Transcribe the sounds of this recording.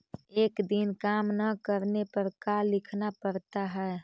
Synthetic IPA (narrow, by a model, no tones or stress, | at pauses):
ekd̪inkamnəkəɾnepəɾkalɪkʰnapəɾt̪aɦɛː